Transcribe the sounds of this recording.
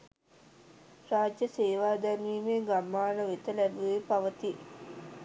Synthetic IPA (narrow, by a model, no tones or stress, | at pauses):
raːd͡ʒjəseːʋaːd̪æniːmeːɡamːaːnəʋet̪əlæbuʋepaʋət̪i